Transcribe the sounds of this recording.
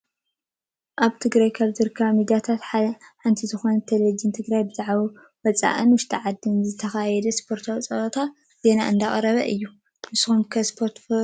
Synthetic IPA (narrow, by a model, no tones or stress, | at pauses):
ʔaβt̪ʰɨɡɾajkʰaβzɨɾɨkʰːaβmid̪ijat̪ʰat̪ħaħant̪ʰizɨxo̞nɐt̪ʰelɐd͡ʒɨnt̪ʰɨɡɾajbɨzaʕβo | wɐt͡sʼa̰ʔɨnwʊʃt̪ʰɐʕad̪ːɨnzɨt̪ʰɐxajɛd̪ɐspʰo̞ɾt̪ʰwt͡sʼɐʔt̪ʰa | z̥e̞na̰ʔɨnd̪aχʼɐɾɐβɐ̰ʔɨjːu | nɨsxomkʰɐspʰoɾt̪